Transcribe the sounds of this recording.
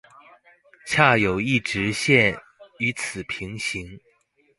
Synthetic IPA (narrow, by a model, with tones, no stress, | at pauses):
t͡ɕʰja˥˩jo˨˩ʊi˥˩ʈ͡ʂɻ̩˧˥ɕjɛ˥˩n | y˧˥t͡sʰɹ̩˨˩pʰi˧˥ŋɕi˧˥ŋ